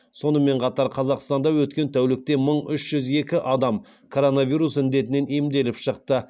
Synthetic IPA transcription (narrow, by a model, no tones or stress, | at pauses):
so̞nəme̞ɴqʰɑt̪ɑɾqʰɑzɑqst̪ɑnd̪ɑwɵt̪kʲe̞nt̪ʰæwlɪk̚t̪e̞məɴʏʃʒ̥ʏze̞kʲɪʔɑd̪ɑm | kʰo̞ɾo̞navʲijɾusɪnd̪e̞t̪ɪne̞nijɪmd̪e̞lɪpʃəq̚t̪ə